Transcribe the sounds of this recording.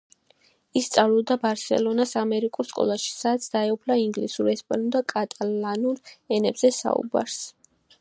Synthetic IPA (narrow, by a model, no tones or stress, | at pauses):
ist̪sʼavlud̪abaɾsɛ̰lɔnasamɛɾikʼuɾskʼɔ̰lˠaʃi̥sad̪t̪sʰd̪aɛupʰlaiŋɡlisuɾɛspʼanud̪akʼat̪ʼalanulɛnɛbz̥ɛsa̰ṵba̰ɾs